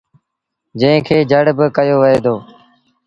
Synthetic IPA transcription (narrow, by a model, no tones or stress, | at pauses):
d͡ʒə̃ɪ̃kʰeːd͡ʒəɽbəkəjoːʋəɦeːd̪oː